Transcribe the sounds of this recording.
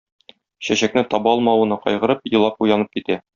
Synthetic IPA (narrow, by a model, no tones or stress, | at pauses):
ɕæɕæknɘt̪ɒbɒlˠmɑwŭnɤqɒ̰jʁɤ̆ɾɤp̚jɤ̆lˠːɑpujɑnɤp̚kit̪æ